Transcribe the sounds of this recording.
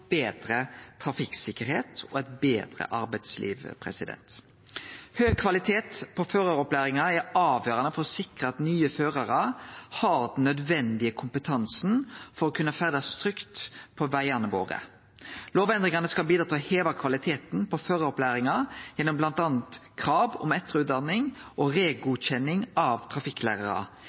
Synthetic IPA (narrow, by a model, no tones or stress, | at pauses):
b̥eːd̪ɾət̪ʰɾɑfɪksɪkəɾheːt̪ʰɔɛt̪beːd̪ʁə̰ʔɑɾbæɪd̪slḭːʋpʰʁɛ̰sɪd̪ɛ̰nt̪ | høːɡ̚kʰʋɑlɪt̪ʰeːt̪pʰɔføːʁɑɔplæːɾɪŋɑæɑːʋjøːɾʁɑnəfɔɾsɪkʁəɑt̪nyːəføːʁɑʁɑhɑɾd̪n̩ːœd̪ʋɛnd̪ɪəkʰʊmpət̪ʰɑnsn̩fɔɾɔkʰʉnəfæʁd̪ɑst̪ɾʏkt̪pʰɔʋæɪɑnəʋo̰ːʁə̰ | loːʋɛnd̪ʁɪŋɑnəskɑlbiːd̪ɾɑːt̪ʰɪlheːʋɑkʰʋɑlɪt̪ʰeːt̪npʰɔføːʁɑɔplæːɾɪŋɑjɛnːɔmblɑnt̪ɑːnt̪kʰʁɑːʋɔ̰mɛt̪əʁʉːt̪̚d̪ɑnːɪŋʔɔʁeːɡʊɕɛnːɪŋɑʋt̪ʰʁɑfɪkːlæ̰ːʁɑʁɑ̰